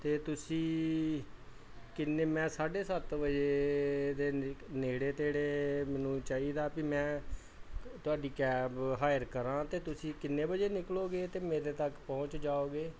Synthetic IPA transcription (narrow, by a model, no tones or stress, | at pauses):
t̪eːt̪ʊsĩː | kɪnːeːmɛ̃ːsaːɖeːsət̪ʋəd͡ʒeːd̪eːneːɽeːt̪eːɽeːmɛːnũːt͡ʃaːiːd̪aːpimɛ̃ː | t̪ʊaːɖiːkɛːbɦaːjəɾkəɾãːt̪eːt̪ʊsĩːkɪnːeːbəd͡ʒeːnɪkloːɡeːt̪eːmeːɾeːt̪əkpɔ̃ːt͡ʃd͡ʒaːoːɡeː